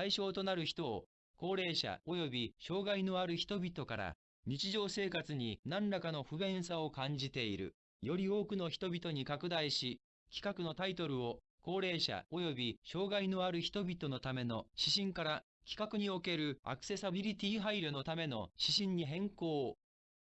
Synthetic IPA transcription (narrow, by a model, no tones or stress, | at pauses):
aiɕo̞ːt̪o̞naɾɯ̟çi̥t̪o̞̰ː | ko̞ːɾe̞ːɕa̰ojo̞bʲiɕo̞ːɡaino̞aɾɯ̟çi̥t̪o̞bʲit̪o̞kaɾa̰ | ɲ̟it͡ɕiʑo̞ːse̞ːkat͡sɨɲ̟inãnɾakano̞ɸɯ̟bẽ̞ɰ̃sao̞kãɲ̟d͡ʑit̪e̞iɾɯ̟̰ | jo̞ɾʲio̞ːkɯ̟no̞çi̥t̪o̞bʲit̪o̞ɲ̟ikakɯ̟d̪aiɕi | kʲi̥kakɯ̟no̞t̪ait̪o̞ɾɯ̟o̞ | ko̞ːɾe̞ːɕa̰o̞jo̞bʲiɕo̞ːɡaino̞aɾɯ̟çi̥t̪o̞bʲit̪o̞no̞t̪ame̞no̞ɕiɕĩŋkaɾa | kʲi̥kakɯ̟ɲ̟io̞ke̞ɾɯ̟a̰kɯ̥se̞sabʲiɾʲit̪ʲiːɦaiɾʲono̞t̪ame̞no̞̰ɕiɕĩɲ̟ːiɦẽ̞ŋko̞ː